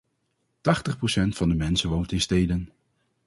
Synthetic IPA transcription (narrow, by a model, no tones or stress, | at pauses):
tɑχtəχprowsɛntfɑndəmɛnsəʋowntɪnstejdən